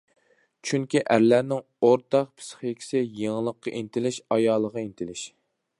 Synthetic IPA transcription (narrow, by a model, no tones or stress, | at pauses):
t͡ʃʰyŋkʲiʔæɾlæɾnɪŋ | oɾt̪ɑq̚pʰɪ̥sχekʲʰɪ̥sɪjeŋlˠəqːɑʔint̪ʰɪlɪʃɑjɑːlˠːəʁɑint̪ʰɪlɪʃ